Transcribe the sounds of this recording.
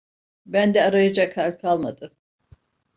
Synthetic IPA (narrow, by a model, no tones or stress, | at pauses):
bænd̪ɛaɾajad͡ʒakhalʲkʰalˠmad̪ɯm